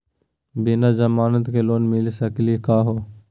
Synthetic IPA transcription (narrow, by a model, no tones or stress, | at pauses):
biːnaːd͡ʒəmaːnət̪kʰeːloːnmilsəkliːkaːɦoː